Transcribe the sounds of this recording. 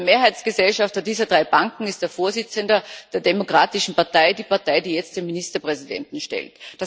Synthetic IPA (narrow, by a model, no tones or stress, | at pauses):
meːɐɦaɪt͡sɡ̥əzɛlʃaftɐdiːzɐdʁaɪb̥aŋkŋ̩ɪst̚d̥eːɐfoːɐzɪt͡səndɐd̥eːɐdemokʁ̥aːtɪʃn̩paɐtaɪdiːpaɐtaɪdiːjɛt͡std̥eːministɐpʁ̥ɛzidɛ̰ntn̩ʃtɛ̰ltd̥as